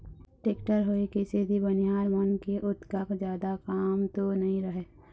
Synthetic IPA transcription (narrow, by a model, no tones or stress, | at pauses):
ʈeːkʈəɾɦoːikesed̪ʱibɐnɪjaːɾmənkeʔʊt̪kakd͡ʒjaːd̪akaːmt̪onɐɦĩɾɐɦeː